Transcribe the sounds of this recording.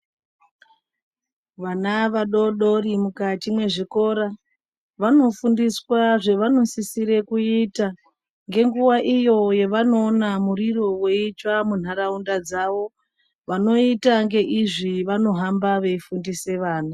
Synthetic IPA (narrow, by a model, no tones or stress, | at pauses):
ʋanaʋaɗo̞ɗo̞rimukat͡ʃimwe̞ʐiko̞ɾa | ʋano̞fundiswaʐe̞ʋano̞sisiɾe̞kuita | ŋɡe̞ŋɡuʋaʔijo̞jeʋano̞ːnamuriro̞we̞it͡ʃwamun̤aɾaundad͡zaʋo̞ | ʋano̞itaŋɡe̞ʔiʐiʋano̞ɦambaʋe̞ifundise̞ʋaːna